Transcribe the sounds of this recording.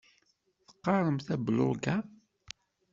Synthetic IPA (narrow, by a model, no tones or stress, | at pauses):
θə̥qːɑɾˤəmθæblʊ̰ɡa